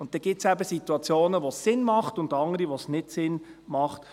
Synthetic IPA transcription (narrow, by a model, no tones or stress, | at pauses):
ʊnttːɛɡ̥ɪt͡sæbəsituɑt͡sjoːnəʋosːɪnmɑχtʊndɑŋəɾiʋosnɪtsɪn | mɑχt